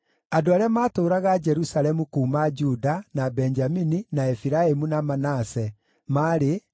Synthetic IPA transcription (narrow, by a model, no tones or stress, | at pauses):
adoaːɾeamaːtoːɾaɣad͡ʒɛɾusaɾɛmukuːmad͡ʒudanabɛɲd͡ʒamininaɛfiɾaemunamanasɛ | maːɾe